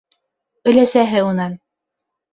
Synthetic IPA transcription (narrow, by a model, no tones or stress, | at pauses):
ɵ̆læsæɦɘunɑn